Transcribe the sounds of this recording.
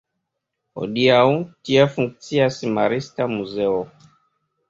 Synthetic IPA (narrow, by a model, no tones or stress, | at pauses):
ɔ̰diautiafuŋksiasimaɾistamuzɛɔ